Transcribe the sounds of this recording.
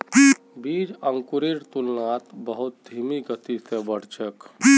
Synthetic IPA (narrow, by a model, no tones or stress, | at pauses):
bid͡ʒəŋkuɾiɾt̪ulnat̪bəɦut̪̚d̪ʱimiɡət̪isebəɽ̤t͡ʃək